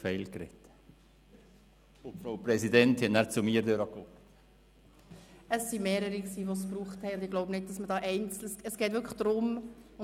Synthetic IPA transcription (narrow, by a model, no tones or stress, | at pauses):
fɛɪlkɾɛ̰t | ʊfɾaʊpɾɛsidɛnthɛtnæːɾt͡sʊmiːəɾdøɾɑko | əsːimeːɾəɾiksiːʋos̬pruːχthɛɪʊndɪɡloʊbnɪd̚d̥ɑsmədɑːʔɛɪnt͡sl̩səsɡ̥ɛːtʋʏɾklə̥d̥ɾʊmʊ